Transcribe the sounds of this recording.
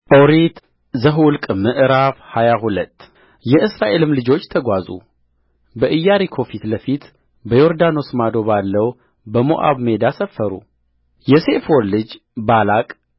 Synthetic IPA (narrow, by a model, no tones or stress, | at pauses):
ʔoɾit̪ | zəɦwʊlkʼmɨʔɾafhajaɦulət̪ː | jɛʔɨsɾaʔe̞lɨmlɨd͡ʒo̞t͡ʃːt̪ʰəɡʷazṵ | bəʔɨjːaɾikʰo̞fit̪ləfit̪ | bəjo̞ɾd̪ano̞smad̪o̞βalːəw | bəmo̰ʔa̰βme̞d̪asəfːəɾṵ | jɛse̞folɨd͡ʒ | balakʼ